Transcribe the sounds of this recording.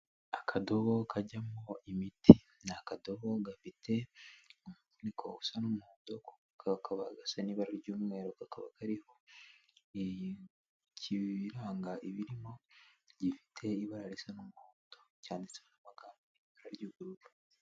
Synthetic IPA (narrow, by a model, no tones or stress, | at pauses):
akʰadoβo̞kʰaɟamo̞imitʰi | nakadoβo̞ɡafitʰe̞umuvunikʰo̰usanumuhoːdoko̥ | kakʰaβaɡasaniβaɾaɾɟuːmŋe̞ːɾokakaβa̰kaɾiho̞ | i | cʰiβiɾaːŋɡaʔiβiɾimo̞ɟifi̥tʰe̞iβaɾaɾisanumuhoːdocaːndisehonaβaɡaːmbi | βaɾaɾɟuːɡuɾuβu